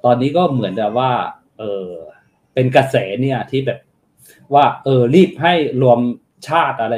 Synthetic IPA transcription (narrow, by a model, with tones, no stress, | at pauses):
t̪ɔː˧nːiː˦˥kɔː˥˩mɯ˩˦ənka˨˩waː˥˩ | ʔɤː˧˩ | pe˧nka˧sɛː˩˦ni˥˩ɐt̪ʰiː˥˩bɛː˨˩p̚ | waː˥˩ʔɤː˧ɾiː˥˩p̚ɦa˥˩jɾu˧əm | t͡ɕʰaː˥˩t̪̚ʔa˧ɾa˧